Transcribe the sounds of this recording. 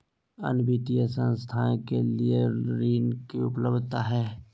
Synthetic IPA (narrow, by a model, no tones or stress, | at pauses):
ə̰nbʱit̪ijəsə̃nst̪ʰãːkelieɾiːnkiʊpləb̪t̪aɦɛː